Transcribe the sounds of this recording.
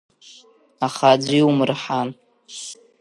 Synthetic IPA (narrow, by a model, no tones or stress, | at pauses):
aχad͡zʷiumrħan